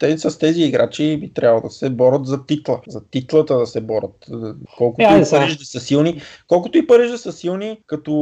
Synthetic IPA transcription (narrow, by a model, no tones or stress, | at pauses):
t̪ɛsɐst̪ɛziːɡɾat͡ʃibit̪ɾʲʔabvˠə̰d̪ɐsɛbɔɾət̪zɐt̪it̪lˠəzɐt̪it̪lˠət̪əd̪ɐsɛbɔɾʔət̪kɔlˠkʊt̪ip̪əɾɛʃd̪ɐsəsilˠnikɔlˠkʊt̪ʊipɤɾɛʒd̪ɐsəsilˠnikɐt̪ʊ